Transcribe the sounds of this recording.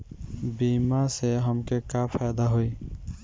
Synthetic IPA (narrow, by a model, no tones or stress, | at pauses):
biːmaseɦəmkekaːpʰɛːd̪aɦoj